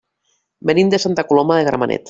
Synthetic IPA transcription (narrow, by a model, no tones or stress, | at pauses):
benimd̪esant̪akulomaðeɣɾa̰ma̰nʔɛ̰t̪